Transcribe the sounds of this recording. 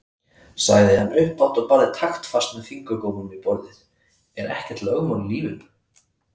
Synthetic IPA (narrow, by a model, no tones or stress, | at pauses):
saːjðɪhanːʏhpawt̪ɔɣpaːɾðɪt̪ʰaxt̪fast̪nafiŋkakoːwmʏmipɔɾðɪð | ɛɾʔɛ̰hcɛ̥t̪lœːɣmanliːvʏn